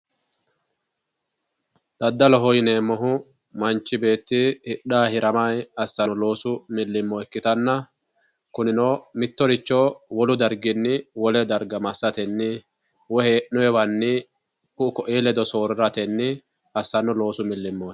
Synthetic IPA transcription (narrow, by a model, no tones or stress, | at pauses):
d̪̥ɐd̪ːɐlɔɦɔjneːmːɔɦʊ | mɐnt͡ʃːɪbe̞ːt̪ːɪhɪɗaːhɪɾɐmajɐsːɐnɔlo̞ːsʊmɪlːɪmːoɛkːɪt̪ɐnːɐ | kʊnɪnoːmɪt̪ːɔɾɪt͡ʃːoːwɔlʊd̪ɐɾɡɪnːɪwɔlɛd̪ɐɾɡɐmɐsːɐt̪ɛnːɪ | wɔhɛnʊjɛbɐnːɪ | kʊʊkɔʔeːlɛd̪ɔso̞ːɾɾɐt̪ɛnːɪ | ɐsːɐnːɔlo̞ːsʊmɪlːɪmːoː